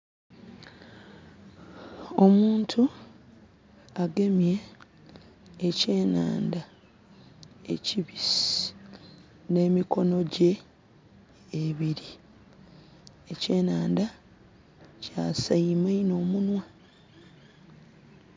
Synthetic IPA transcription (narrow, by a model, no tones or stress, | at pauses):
o̞muːntʰu | aɡe̞mje̞ | ce̞ːna̰ːnda | e̞̰ciβis | ne̞ːmiko̞no̞ɟe̞ | βiɾi | ece̞ːnaːnda | caːsaimaino̞ːmunwa